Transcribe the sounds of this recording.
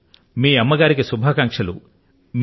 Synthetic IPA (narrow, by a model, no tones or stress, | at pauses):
miːɐmːɐɡaːɾikisubʱaːkɐŋkʂɐlṵ | m